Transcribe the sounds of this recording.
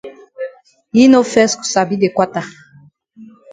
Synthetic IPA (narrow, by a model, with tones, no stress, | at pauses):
i˦no˦fɛ˦sku̥˨sa˨bi˦d̪e˨kwa˦ta˨